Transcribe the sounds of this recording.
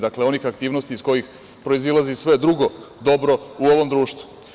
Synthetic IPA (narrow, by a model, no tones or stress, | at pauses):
d̪akle̞o̞nixakt̪iːʋno̞st̪iːsko̞jix | pɾo̞izilazisʋe̞d̪ɾuɡo̞d̪o̞bɾo̞uo̞ʋo̞md̪ɾuːʃt̪vu̥